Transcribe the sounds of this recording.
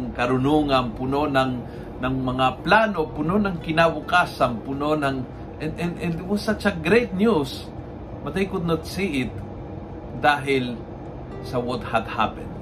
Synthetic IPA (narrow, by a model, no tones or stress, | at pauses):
ŋkɐɾʊnuŋɐnpʊnonɐŋ | nɐŋmɐŋaplaːnopʊnonɐŋkɪnabʊkaːsɐnpʊnonɐŋ | ʔɛnɛnɛnd̪wɔsat͡ʃɐɡɾejt̪̚njus | mɐt̪ɐjkʊt̪̚not̪̚siʔɪt̪̚ | d̪aːɦɪl | sɐwɔt̪̚hɐd̪ha̰pɛ̰̃nd̪̚